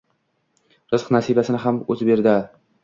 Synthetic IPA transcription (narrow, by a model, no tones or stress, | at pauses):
ɾɨz̥qnasibasɪnɪɦamozbeɾd̪ɪ